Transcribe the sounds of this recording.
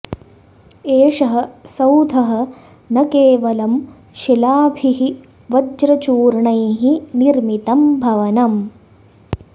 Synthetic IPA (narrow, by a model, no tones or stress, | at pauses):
eːʂɐɦɐ̆sɐwd̪ʱɐɦɐ̆ | nɐkeːʋɐlɐm | ʃilaːbʱiɦi | ʋɐd͡ʒɾɐt͡ʃuːɾɳɐjɦiniɾmit̪ɐmbʱɐʋɐnɐm